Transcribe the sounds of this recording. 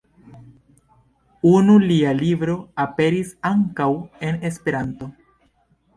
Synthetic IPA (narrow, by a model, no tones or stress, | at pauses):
unulialibɾo̞ape̞ɾisaŋkawe̞ne̞spe̞ɾanto̞